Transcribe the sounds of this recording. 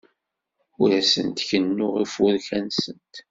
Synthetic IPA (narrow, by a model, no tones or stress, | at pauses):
ʊɾæsə̰nt̪çənːʊʁifʊɾçænsənt̪